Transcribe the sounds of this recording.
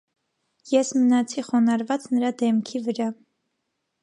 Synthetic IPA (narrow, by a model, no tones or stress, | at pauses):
jɛsmənɑt͡sʰiχɔnɑɾvɑt͡snəɾɑd̪ɛmkʰivəɾɑ